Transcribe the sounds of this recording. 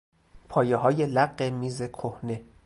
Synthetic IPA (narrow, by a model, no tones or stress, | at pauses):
pʰɒːjeɦɒːjelæɢːemiːzekʰohne̞